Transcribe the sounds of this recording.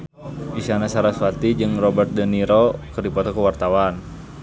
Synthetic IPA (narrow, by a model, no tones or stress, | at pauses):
ʔisanasaɾaswat̪id͡ʒɨŋrɔbərt̪̚dəniɾokərdipɔt̪ɔkəwart̪awan